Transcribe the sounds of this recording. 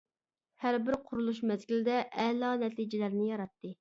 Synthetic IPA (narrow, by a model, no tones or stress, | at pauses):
hæɾbɪɾqʰʊɾulˠuʃmɛzɡʲilɪd̪ɛʔɛlˠɑnɛt̪ʰid͡ʒɪlæɾnɪjɑɾɑt̪ːɨ